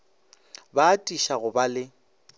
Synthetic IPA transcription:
baːtʼiʃaɣʊbalɪ

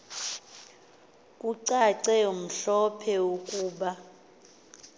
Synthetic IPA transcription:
kʼuǀaǀɛum̩ɬɔpʰɛokʼuːɓa

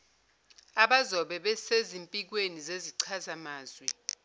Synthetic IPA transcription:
aɓazɔɓɛɓɛsezimpʼik̬wenizeziǀʰazamaːzwɛ

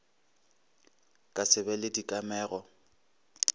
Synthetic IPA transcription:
kʼasɪbɛlɪdikʼamɛːɣɔ

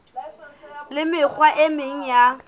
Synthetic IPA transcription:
lɪmɪk͡xʰwaʔɪmɪŋ̩ja

